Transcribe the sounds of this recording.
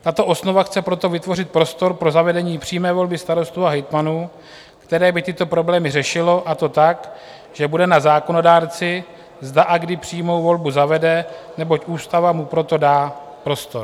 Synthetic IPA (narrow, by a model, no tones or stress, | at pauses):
t̪at̪o̞ʔo̞sno̞vaxt͡sɛpɾo̞t̪o̞vɪt̪vo̞rɪt̪̚pɾo̞st̪o̞ɾpɾo̞zavɛdɛɲiːpr̝̥iːmɛːvo̞lbɪst̪aɾo̞st̪uːaɦɛjt̪manuː | kt̪ɛɾɛːbɪt̪ɪt̪o̞pɾo̞blɛːmɪrɛʃɪlo̞ʔat̪o̞t̪ak | ʒ̥ɛbudɛnazaːko̞no̞daːɾt͡sɪ | zdaʔaɡdɪpr̝̥iːmo̞wvo̞lbuzavɛdɛnɛbo̞cʔuːst̪avamupɾo̞t̪o̞daː | pɾo̞st̪o̞ɾ